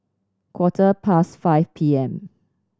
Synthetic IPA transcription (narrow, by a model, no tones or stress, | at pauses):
kʰwɔtʰəpʰasfaɪfpʰiɛ̃m